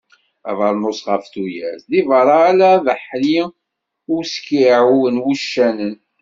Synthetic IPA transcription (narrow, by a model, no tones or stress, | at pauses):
æ̰vəɾˤnosʁəfθujæzðivəɾˤɑːlæðəħli | ʊskiʕuwənwiʃːænən